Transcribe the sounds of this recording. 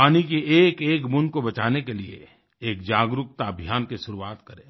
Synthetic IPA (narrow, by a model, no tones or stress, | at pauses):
paːnikeeːkeːkmʊ̃nkobɐt͡ʃaːnekeliḛ | eːkd͡ʒaːɡɾʊkt̪abʱijaːnkeʃʊɾuaːt̪kɐɾẽː